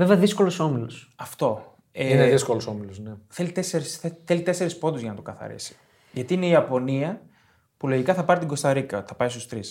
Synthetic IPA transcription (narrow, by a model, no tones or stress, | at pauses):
ve̞veɐðisko̞loso̞milos | ɐft̪o̞ | eineðisko̞loso̞milosneθe̞lit̪eseɾiseθelit̪e̞se̞ɾispo̞d̪uzʝɐnɐt̪okɐθɐ̰ɾḭsi̥ | ʝɐt̪iine̞iɐpo̞niɐ | pulo̞ʝikɐθɐpɐɾit̪iŋɡo̞st̪ɐɾikɐθɐpɐist̪u̥st̪ɾis